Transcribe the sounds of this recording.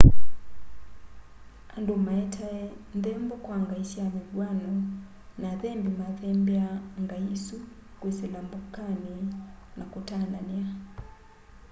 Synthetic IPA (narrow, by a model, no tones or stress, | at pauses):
andomaɛtʰaɛnðɛmbɔkwaŋɡaisiamiɡwanɔ | naðɛmbimaðɛmbiaŋɡaisukwesɛlambukaninakutanania